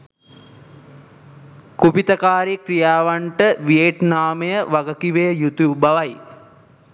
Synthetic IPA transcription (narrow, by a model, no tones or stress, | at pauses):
kupit̪əkaːɾikrijaːʋaɳʈəʋieʈnaːməjəʋaɡəkiʋejəjut̪ubaʋaj